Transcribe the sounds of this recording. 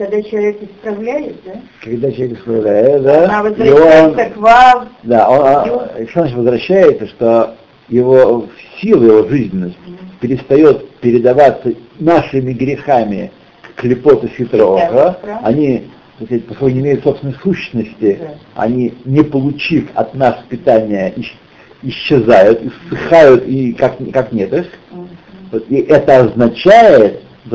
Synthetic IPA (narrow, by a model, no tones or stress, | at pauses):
kɐɡd̪at͡ɕɪlˠɐvʲekɪspɾɐvlʲæjɪt̪̚d̪a | kɐɡd̪at͡ɕɪlɐvʲekɪspɾɐvlʲæjɪt̪d̪avzionkvafd̪aonʂozat͡ɕɪt̪ʲvəzvɾɐɕːæjɪt̪səʂt̪o | jɪvo̞sʲilˠəjɪvo̞ʐɨzʲnʲɪnːəsʲtʲpʲɪɾʲɪst̪ɐjo̞t̪pʲɪɾʲɪd̪ɐvat̪sə | naʂɨmʲɪɡɾʲɪxamʲɪ | kːlʲɪpo̞t̪əsʲɪt̪ɾoʐəɐnʲi | t̪ɐskt̚ʲpɐskokənʲɪmʲejʊt̪sopsvʲɪnəjsuɕːnəsʲtʲɪɐ̰nʲinʲɪpəlˠʊt͡ɕifɐ̰t̪naspʲɪt̪anʲɪjəʔɪ | ɪɕːɪzajʊt̪ɨsːɨxajʊt̪ikakkaknʲet̪ɨx | t̪iʔɛt̪əɐznɐt͡ɕæjɪt̪